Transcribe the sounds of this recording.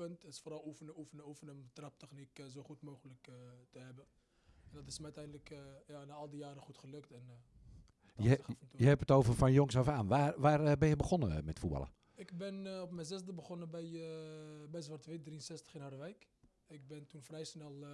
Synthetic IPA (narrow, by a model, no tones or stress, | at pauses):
əntɪ̥sfoːɾɔlˠufənəufənəufənəmtrap̚tɛxnikzoːxutmoːɣələktəɦɛbə | ɛndɔtɪsmɛətɛjndləkʰjanaɔlˠdəjaːɾəxutχəløktɛn | jəfntjəhɛpətoːvərfɔnjoŋsoːvəaːnʋaːʋaːrbɪnjəbəxonə̰mɛtfubɑ̰lə̰ | ɪkbɪnɔpmɛnzɛsdəbəχonəbɛj | bɛjsʋartʋɪt̚driənsɛstə̥xɪnhadəʋɛjk | ɪk̚bɪntunfrɛjsnɛlˠ